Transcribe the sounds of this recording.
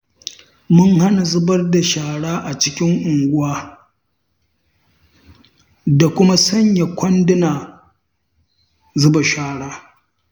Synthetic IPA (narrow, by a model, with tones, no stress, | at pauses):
mʊ˦ŋha˦na˨zʊ˦bɐ˦rda˨ʃaː˨ɽaː˦ʔa˨t͡ʃɪ˦kʲɪ˦ŋʔʊ˨ŋɡʷʊ˦waː˦ | da˨kʷʊ˦ma˦sɐ˦ɲja˨kʷɐ˦ndɪ˦naː˨ | zʊ˦ba˨ʃaː˦ɽaː˦